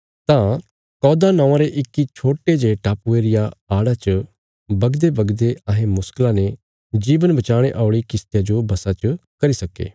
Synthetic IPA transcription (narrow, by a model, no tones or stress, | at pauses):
t̪ã | kɔːd̪anɐ̃ãɾeʔɪkːit͡ʃʰoːʈed͡ʒeʈaːpueːɾɪjaaːɽat͡ʃə | bɐɡd̪ebɐɡd̪eɐɦẽmʊsklãne | d͡ʒiːʋənbɐt͡ʃaːɽ̃eʔaːʊɽikɪst̪ɪjad͡ʒobɐsat͡ʃəkɐɾisɐkḛː